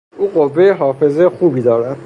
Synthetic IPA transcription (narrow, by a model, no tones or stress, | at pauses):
ʔuːɢovːe̞jeɦɒːfe̞zejexuːbiːd̪ɒːɾæd̪̥